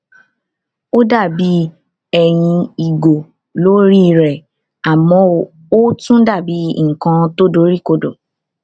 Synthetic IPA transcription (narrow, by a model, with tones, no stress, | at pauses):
o˦da˦˨bi˨˦ | ɛ˦˨j̃ĩ˧i˨ɡo˨ | lo˨˦ɾi˦˧ɾɛ˨ | a˨mɔ̃˨˦˨ | o˦tũ˦da˦˨bi˨˦ŋ̩˨kã˧to˦do˨˦ɾi˦ko˧do˨